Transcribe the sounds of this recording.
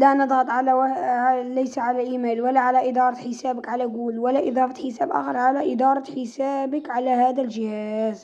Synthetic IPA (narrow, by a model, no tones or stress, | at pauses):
lænɨd̪ˤhɑt̪ˤʕal | læjsaʕalæʔimæːlwəlːaʕalæʔɪd̪ɑːɾˤɑt̪ħəsæːbəkʕalæɡuːlwəlːæʔɪd̪ˤɑfɑt̪ħəsæːbʔɑ̰ːxɑɾˤʕalaʔɪd̪ɑɾˤɑt̪ħɪsaːbəkʕalæhæːd̪ælʒɪhæz